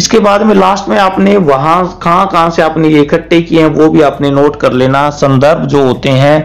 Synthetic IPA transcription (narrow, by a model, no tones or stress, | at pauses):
ɪskebaːd̪mẽlaːsʈmẽaːpneʋɐɦãkɐɦãkɐɦãseaːpnejeɪkʰəʈːekieɦɛ̃ʋobʱiaːpnenoːʈkɐɾleːnasɐ̃nd̪əɾbʱd͡ʒoːɦoːt̪eɦɛ̃ː